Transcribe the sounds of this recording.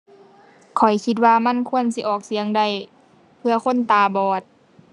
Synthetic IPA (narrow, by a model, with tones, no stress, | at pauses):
kʰɔ˨˩jkʰi˧t̪̚waː˧ma˧˥˨nkʰu˧˨ənsi˧˦ʔɔː˨˩k̚si˨˦əŋda˧˩˨j | pʰɯ˧ɐkʰo˧˥˨nt̪aː˨˧bɔː˨˩t̪̚